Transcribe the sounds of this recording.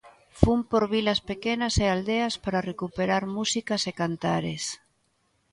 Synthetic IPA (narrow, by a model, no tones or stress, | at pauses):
fumpoɾβilaspekenaseald̪easpaɾarekupeɾaɾmusikasekant̪aɾes